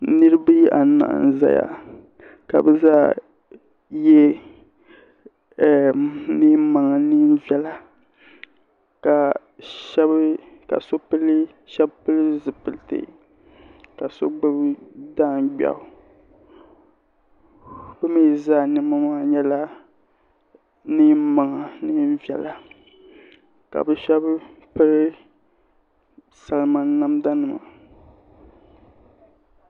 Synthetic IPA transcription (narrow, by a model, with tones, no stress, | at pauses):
nɨ˦ɾɨ˦bɨ˦ʔa̰˨˦na̰˨ʔn˨za̰˨ja̰˨ | ka̰˨bɛ˦zaː˦ | jɛ˦˨ | mi˦ma˨ŋa˨nɨ˦m˦vɛ˦la˦ | ka˨ | ʃɛ˦b | ka̰˨so˦pɨ˦lɨ˦ | ʃɛ˦bpɨ˦lɨ˦zɨ˨pɨ˨ltḛ˨ | ka˨so̰˦ɡ͡bɨ˦bda˦˨ŋɡ͡ba̰˨ʊ˨ | bɨ˦me˦˨zaː˦˨nɨ˦ma˦maː˦ɲɛ˦la˦ | nɨ˦ma˨ŋa˨nɨ˦vɛ˨la˨ | ka̰˨bɨ˦ʃɛ˦bpɨ˦ɾɨ˦ | sa˨lma˦n˦na˦mda˦nɨ˨ma̰˨